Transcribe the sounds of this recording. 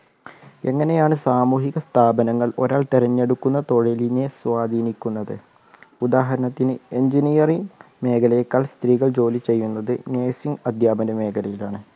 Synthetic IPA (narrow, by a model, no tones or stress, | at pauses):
e̞ŋːɐne̞jaːɳɨsaːmuːɦiɣɐst̪ʰaːbɐnɐŋːɐɭo̞̰ɾaːɭt̪eɾɐnːe̞ɽukːunːɐt̪o̞ɻiline̞sʋaːd̪ʱiːnikʲːunːɐðɨ | ud̪aːɦɐɾɐɳɐt̪ːinɨe̞ɲd͡ʑinijɐriŋ | me̞ːkʰɐlɐjekːaːɭst̪riːɣɐɭd͡ʑo̞ːlit͡ɕe̞jːunːɐðɨneːsiŋɡɐd̪ʱjaːbɐnɐme̞ːkʰɐlɐjilaːɳɨ